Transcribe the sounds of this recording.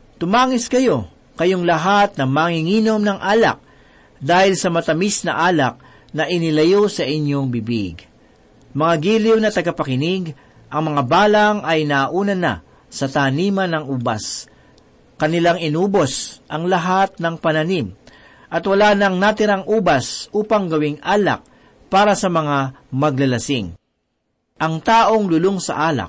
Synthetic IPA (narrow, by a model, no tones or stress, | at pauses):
t̪ʊmaːŋɪskɐjo̞ | kɐjoŋlɐɦat̪̚nɐŋmaŋɪŋiːno̞mnɐŋʔaːlɐ̰k̚ | d̪aːhɪlsɐmɐt̪ɐmisnɐ̰ʔaːlɐk̚ | nɐʔɪnɪlɐjosɐʔɪɲːo̞ŋbɪbḭɡ | mɐŋaɡiːlɪwnɐt̪ɐɡɐpɐkɪniɡ | ʔɐŋmɐŋabaːlɐŋɐjnaʔuːnɐnɐ̰ | sɐt̪aːniːmɐnɐŋʔuːbɐ̰s | kɐnɪlaŋɪnuːbosʔɐŋlɐɦat̪̚nɐŋpɐnɐnim | ʔɐt̪wɐlaːnɐŋnɐt̪ɪɾaŋʔuːbɐsʔuːpɐŋɡɐwɪŋʔaːlɐ̰k̚ | paːɾɐsɐmɐŋa | mɐɡ̚lɐlɐsɪŋ | ʔɐŋt̪aːʔo̞ŋlʊloŋsɐ̰ʔaːlɐ̰k̚